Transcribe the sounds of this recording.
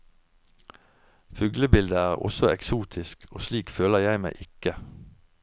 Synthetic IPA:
fʉːɡləbɪld̪əæːʁɔ̰sɔɛksuːt̪ʰɪskʰo̰ːsliːkføːləʁjæɪmæɪʔɪkə

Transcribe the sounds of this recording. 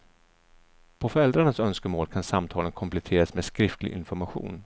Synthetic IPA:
pʰɔfœɾɛld̪ɾaɳasœnskəmoːlkʰansamt̪ʰɑːlənkʰɔmplɛt̪ʰeːɾasmeːskɾɪft̪ʰlɪ̰ʔɪ̰nfɔɾmaɧṵːn

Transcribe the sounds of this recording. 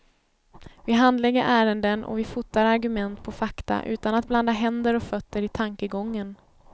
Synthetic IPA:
vɪɦand̪lɛɡːəɾʔæːɾənd̪ənʔɔ̰vɪfʊt̪ːaɾaɾɡɵmɛnt̪pʰɔfakt̪a̰ʔʉ̟ːt̪anat̪̚bland̪aɦɛnd̪əɾɔkfœt̪ːəɾɪt̪ʰaŋkəɡɔŋːən

